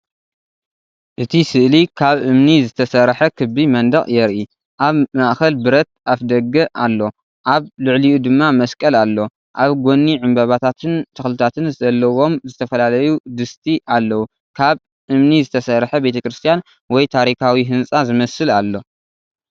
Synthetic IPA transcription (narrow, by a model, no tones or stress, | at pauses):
ʔɨt̪ʰisɨʔlikʰaβʔɨmnizɨt̪ʰɐsɐɾħɐkʰɨbimɐnd̪ɐχʼjɛɾʔi | ʔaβmaʔxɐlbɨɾɐt̪̚ʔafd̪ɐɡːɐʔalːo̞ | ʔaβlɨʕliʔud̪ɨmːamɐskʼɐlalːo̞ | ʔaβɡʷo̞nːiʕɨmbɐβat̪ʰat̪ʰɨnt̪ʰɨxlɨt̪ʰat̪ʰɨnzɨzɐlːɐwo̞mzɨt̪ʰɐfɐlalɐjud̪ɨst̪ʼʰiʔalːɐwu | kʰaβ | ʔɨmnizɨt̪ʰɐsɐrħɐbe̞t̪ʰɐkɾɨst̪ʰijan | wɔjt̪ʰaɾikʰawiɦɨnt͡sʼazɨmɐsɨlalːo̞